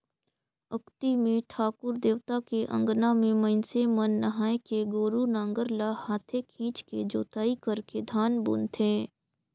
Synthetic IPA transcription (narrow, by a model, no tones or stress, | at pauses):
əkt̪imẽʈʰaːkʊɾd̪eːʋt̪akeʔə̰̃ŋɡnamẽmə̃nsemənːəɦaːekeɡoːɾunãːŋɡəɾlahaːt̪ʰekʰĩːt͡ʃked͡ʒoːt̪aːikəɾked̪ʱaːnbʊ̰nt̪ʰẽː